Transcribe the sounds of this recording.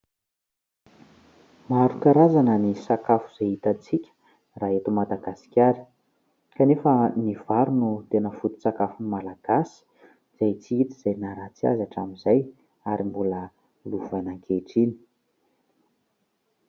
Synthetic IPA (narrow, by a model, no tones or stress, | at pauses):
maɾukaɾazanənisakafu̥z̥ejit̪at͡sikʲə̥ | raːet̪umad̪aɡasi̥kʲaɾi̥ | kanefəniv̥aɾunut̪enəfut̪u̥sakafunimalaɡ̥asi̥ | z̥ajt͡siit̪iz̥ajnaɾat͡sia̰zaʈ͡ʂamizaj | aɾimbulə | luvanaŋkʰeʈ͡ʂini̥